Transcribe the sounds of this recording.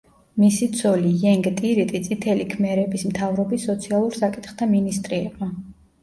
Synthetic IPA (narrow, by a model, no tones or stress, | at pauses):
misit̪zsʰɔlijɛŋɡt̪ʼiɾit̪ʼit̪sʼit̪ʰɛlikʰmɛɾɛbismt̪ʰavɾɔbisːɔt̪sʰialˠuɾsakʼit̪χt̪ʰaminist̪ʼɾiɛba